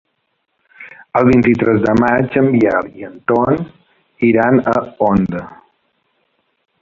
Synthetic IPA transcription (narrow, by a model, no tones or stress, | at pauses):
əlˠβint̪it̪ɾɛzd̪əmad͡ʒəmbiɛliənt̪on | iɾanəond̪ə